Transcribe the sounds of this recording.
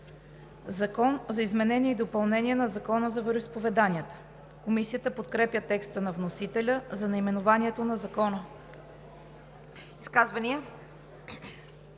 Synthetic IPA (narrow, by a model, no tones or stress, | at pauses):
zɐkɔnzɐizmɛnɛnʲiɛid̪opɐlˠnɛnʲiɛnɐzɐkɔnəzɐvɛɾʊispovɛd̪aniət̪ə̥ | komisiət̪əpot̪kɾɛpjət̪ɛkst̪ənɐvnosit̪ɛlʲəzɐnɐimɛnovaniɛt̪onɐzɐkɔnə | iskazvɐniə